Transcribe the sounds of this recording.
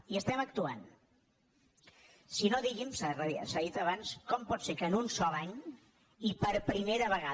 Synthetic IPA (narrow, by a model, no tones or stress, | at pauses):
iəst̪ɛmək̚t̪ua̰n | sinoðiɣimsarəsaðit̪əβ̞anskɔmpɔtsekənunsɔlaɲ | ipəɾpɾimeɾəβəɣa